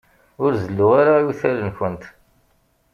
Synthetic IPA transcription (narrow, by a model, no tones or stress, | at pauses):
ʊɾzəlːuaɾauθælənçənt̪